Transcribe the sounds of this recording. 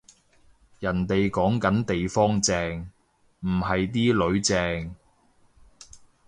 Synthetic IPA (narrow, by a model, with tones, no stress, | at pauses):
jɐ˨˩nt̪e˨jkɔː˨˥ŋkɐ˨˥nt̪e˨jfɔː˥ŋt͡sɛː˧ŋ | m̩˨˩ɦɐ˨jt̪̬iː˥lɵ˨˧˥ɥt͡sɛː˧ŋ